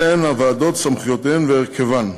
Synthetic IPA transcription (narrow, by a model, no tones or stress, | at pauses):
enavaːd̪ot̪samχjot̪emveeʁkʰevan